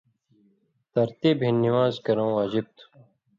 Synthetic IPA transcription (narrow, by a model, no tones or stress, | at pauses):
t̪ɐɾt̪iːbʱinːiwaːzkɐɾõːwaːd͡ʑib̚t̪ʰu̥